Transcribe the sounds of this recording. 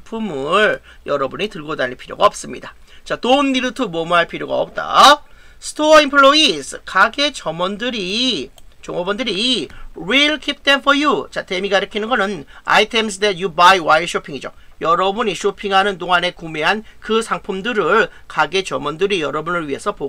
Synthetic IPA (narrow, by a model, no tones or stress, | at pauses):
pʰumɯɭ | jʌɾʌbuɲitɯɭɡodaɲinpʰiɾjo̰ɡaʌp̚s͈ɯmɲida | t͡ɕatonːiɾɯtʰomʌmuɦaɭpʰiɾjoɡa̰ʌp̚t͈a̰ | sʰɯ̥tʰoʌinpʰɯɭːoisʰɯkaɡe̞t͡ɕʌmʌndɯɾi | t͡ɕoŋʌbʌndɯɾiwiɭkʰip̚demfʰʌjut͡ɕate̞miɡaɾɯkʰinɯnɡʌnɯna̰jitʰe̞msʰdet̚jubajwaiɕʰopʰiŋid͡ʑo̰ | jʌɾʌbuɲiɕʰopʰiŋɦanɯntoŋɦane̞kume̞ɦankɯsʰaŋpʰumdɯɾɯɭ | kaɡe̞t͡ɕʌmʌndɯɾijʌɾʌbunɯɭɥiɦe̞sʰʌpo